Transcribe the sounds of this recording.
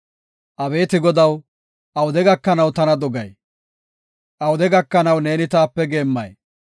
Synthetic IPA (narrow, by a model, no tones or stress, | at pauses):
ʔɐbe̞ːt̪ɪɡɔd̪ɐw | ʔɐwʊd̪ɛɡɐkːɐnɐwt̪ɐnɐd̪ɔɡɐj | ʔɐwʊd̪ɛɡɐkːɐnɐwne̞ːnɪt̪aːpːɛɡe̞ːmːɐ̰j